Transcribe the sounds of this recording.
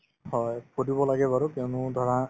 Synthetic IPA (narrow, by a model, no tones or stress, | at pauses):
hɔjkʰodibɔlaɡɛbaɹukɔnʊ̃d̪ʱɔɹã